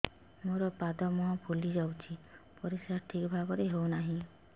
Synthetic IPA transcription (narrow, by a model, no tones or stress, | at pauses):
moɾɔpad̪ɔmɔɦɔ̃pʰulid͡ʒawt͡ʃʰipɔɾisaɾʈʰikbʱaɡɔɾeɦownaɦĩ